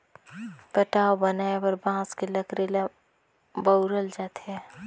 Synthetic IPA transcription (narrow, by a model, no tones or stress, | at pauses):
pəʈaːobənaːebəɾbãːskeləkɾela | bəʊɾəld͡ʒaːt̪ɦɛ